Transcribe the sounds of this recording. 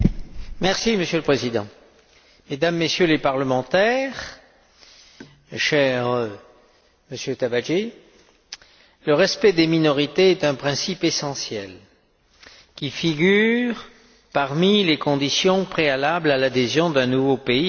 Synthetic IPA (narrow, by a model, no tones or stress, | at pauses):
mɛʁsiməsjøləpχezid̪ɑ̃ | med̪amːesjølepaʁləmɑ̃t̪ɛʁ | ʃɛʁ | məsjøt̪abaʒe | ləʁɛspɛd̪eminɔʁit̪eɛt̪ɛ̃pχɛ̃sipesɑ̃sjɛl | kʲifiɡʲyʁ | paʁmilekɔ̃d̪isjɔ̃pχealablalad̪ezjɔ̃d̪ɛ̃nuvopei